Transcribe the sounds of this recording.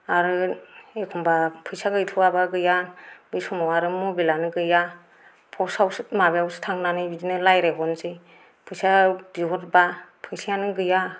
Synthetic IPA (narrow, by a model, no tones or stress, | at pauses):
aɾɯekʰɔmbapʰɯjsaɡɯjtʰɯwabaɡɯjanbɯjsɔmɔwaɾɯmubelanɯɡɯja | pʰɔsawsɯtmabeawsɯ̥tʰaŋnanɯbidinɯlajɾeɦɔnzɯj | pʰɯjsabiɦɔɾbapʰɯjsʰianɯɡɯja